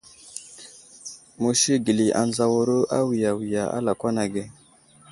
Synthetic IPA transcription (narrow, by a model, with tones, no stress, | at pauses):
mu˨ʃi˦ɡi˨li˨ʔa˨nza˨wo˨ɾo˦ʔa˦wi˨ja˨wi˨ja˨a̰˦la˨kʷa˦na˨ɡe˨